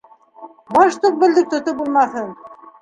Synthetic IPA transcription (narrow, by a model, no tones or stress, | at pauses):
bɑʃt̪uq̚bɘ̆ld̪ɘk̚t̪ŏt̪obulˠmɑθɤn